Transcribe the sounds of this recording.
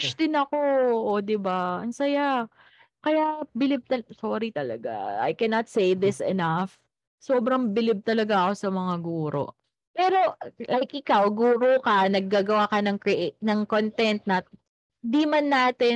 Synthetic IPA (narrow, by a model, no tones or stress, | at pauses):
t͡ʃd̪ɪnɐko̞od̪ɪbaʔɐnsɐja | kɐjaʔbɪlɪb̚t̪ɐsoɾit̪ɐlɐ̰ɡa̰a̰jkɛnɐt̪̚sejd̪ɪsɛ̰naf | soːbɾɐŋbɪlɪb̚t̪ɐlɐɡaɐko̞sɐmɐŋaɡuːɾo̞̰ʔ | pɛːɾo̞lajkʔɪkawɡuːɾokɐnɐɡ̚ːaːɡɐwakɐnɐŋkɾɪʔtnɐŋkont̪ɛnt̪̚nɐ | d̪imɐnːaːt̪ɛ